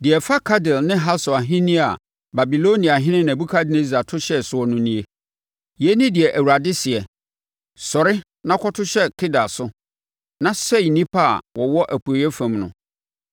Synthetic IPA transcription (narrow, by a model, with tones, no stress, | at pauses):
dɪ˨ɛ˨fa˦kʰa˦dɪ˨lnɪ̃˦ɦa˦sɔ˨a˨ɦɪ̃˦nĩ˦a˨ | ba˨bi˨lo˦nĩ˨a˨ɦɪ̃˦nɪ̃˦n˨æ̃˨bu˦kʰa˦dɪ˨ne˦za˨tʰʊ˦ɕɛ˦sʊ˨ɔ˨nʊ̃˦nĩ˦e˦ | jɛ˦nĩ˦dɪ˨ɛ˨ʔæ˨wu˨ɾa˨dɪ˦sɪ˨ɛ˨ | sɔ˨ɾɪ˦ | nã˦kʰɔ˦tʰʊ˦ɕɛ˦kʰɪ˦da˨sʊ˦ | nã˦sɛ˦˨nĩ˦pʰa˦˨wɔ˨wɔ˦ʔæ˨pu˨e˨jɛ˦fæ̃˨mnʊ̃˨